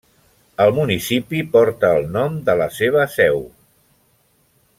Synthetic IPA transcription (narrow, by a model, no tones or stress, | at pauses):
əlˠmunisipipɔɾt̪əːlˠnɔmd̪ələseβ̞əsɛw